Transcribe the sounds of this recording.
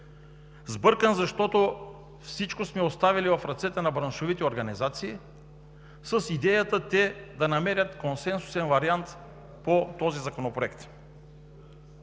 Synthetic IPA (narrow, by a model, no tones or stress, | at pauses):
zbɤɾkənzɐʃt̪ɔt̪o | fsit͡ʃkosmɛost̪avilivɐfɾɐt̪sɛt̪ənɐbɾɐnʃovit̪ɛoɾɡɐnizat̪siː | səsid̪ɛjɐt̪ət̪ɛd̪ɐnɐmɛɾʲɐt̪konsɛnsu̥sɛnvɐɾiant̪ | pot̪ɔzizɐkonopɾoɛkt̪